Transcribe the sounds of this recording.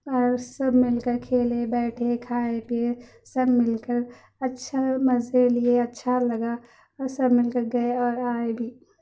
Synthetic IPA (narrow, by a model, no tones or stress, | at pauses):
ɔːɾsɐbʱmɪlkəɾkʰeːlebɛːʈʰekʰaːepe | sɐbʱmɪlkəɾ | ɐtːʃʰamɐzelieɐtːʃʰalɐɡa | ɔɾsɐbʱmɪlkəɾɡɐeɔːɾaːebʱiː